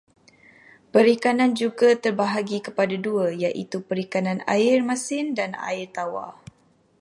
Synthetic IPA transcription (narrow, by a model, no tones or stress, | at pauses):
pəɾikanãnd͡ʒuɡat̪ərbaɦaɡikəpadaduajaʔḭt̪upəɾikanãna̰ɪrmasɪndana̰ɪrt̪awa̰